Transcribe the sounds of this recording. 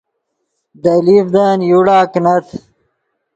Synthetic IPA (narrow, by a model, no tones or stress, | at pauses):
d̪ɐlifd̪aːnjuɽaːknɐt̪